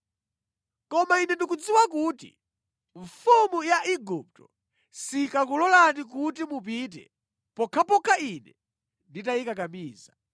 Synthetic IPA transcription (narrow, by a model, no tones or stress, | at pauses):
kɔmainɛndikud͡ziwakuːtḭ | ɱfumujaʔiɡup̚tɔ | sikakulɔlanik̬utimup̬it̬ɛ̰ | pɔkʰapɔkʰainɛ | nditaikakamiːza